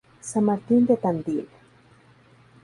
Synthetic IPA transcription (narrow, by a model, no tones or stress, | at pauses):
samaɾt̪ind̪et̪and̪il